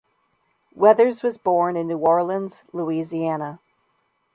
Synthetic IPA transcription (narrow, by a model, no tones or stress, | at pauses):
wɛðə˞zwʌzbɔɹnɨ̃nːuɔɹlˠə̃ndzluiziænə